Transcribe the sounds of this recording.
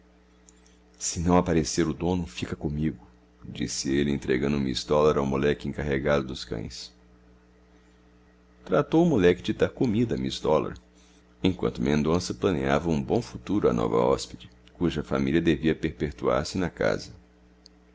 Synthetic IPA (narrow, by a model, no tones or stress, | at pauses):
sɪnɐ̃w̃apaɾeseɾʊd̪õnʊfikɐkõmiɡʊ | d͡ʒisɪelɪẽnt̪ɾeɡɐ̃nd̪ʊmḭsd̪ɔlaɾawmulɛkɪẽŋkaɦeɡad̪ʊd̪ʊskɐ̰̃j̃s | t̪ɾat̪owʊmulɛkɪd͡ʒɪd̪aɾkomid̪ɐmisd̪ɔla̰ɾ | ẽkwɐ̃nt̪ʊmẽnd̪õsɐplɐneavɐũbõw̃fut̪uɾʊa̰nʔɔ̰vɐ̰ɔ̰spid͡ʒɪkuʒɐfa̰milʲiɐd̪eviɐpeɾpeɾt̪ua̰ɾsɪnɐka̰zɐ